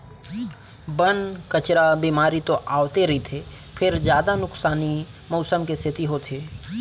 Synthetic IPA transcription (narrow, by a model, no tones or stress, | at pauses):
bənkət͡ʃɾabimaːɾit̪oʔaːʋt̪eɾɐit̪ʰe | pʰɪɾd͡ʒjaːd̪anʊksaːni | mɔːsəmkest̪ʰɪt̪iɦot̪ʰeː